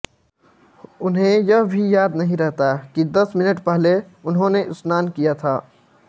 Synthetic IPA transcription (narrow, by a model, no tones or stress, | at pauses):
ʊnɦẽjɐbʱijaːd̪nɐɦĩɾɛɦt̪akid̪əsmɪnəʈpɛɦle | ʊnɦõneʔʊsnaːnkijat̪ʰaː